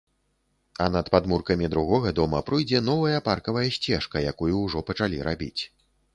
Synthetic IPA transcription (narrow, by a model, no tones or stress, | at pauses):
ɐnɐt̪pad̪murkɐmʲid̪ɾuɣɔɣɐd̪ɔmɐpɾɨjd͡zʲɛn̪ɔvɐjɐparkɐvɐjɐsʲt͡sʲɛʂkɐjakujuwʐɔpɐt͡ʂalʲiɾʔabʲḭt͡sʲ